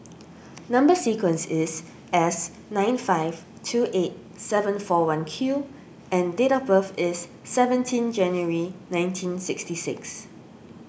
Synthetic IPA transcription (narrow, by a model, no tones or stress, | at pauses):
nãmbəsikwə̃nsɪs | ɛs | nãɪ̃nfaɪv̥ | tʰuʔet̚ | sɛvə̃nfɔwãnkʰju | ʔɛ̃ndetabəfɪsː | ɛvə̃ntʰĩnd͡ʒɛ̃njəɹinãɪ̃ntʰĩnsɪkstisɪks